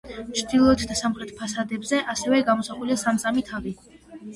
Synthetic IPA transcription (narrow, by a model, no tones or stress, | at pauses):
t͡ʃʰd̪̥ilˠɔt̪ʰd̪asamχɾɛt̪ʰpʰasad̪ɛbzɛʔasɛvɛɡamɔsaχuliasamsamit̪ʰavi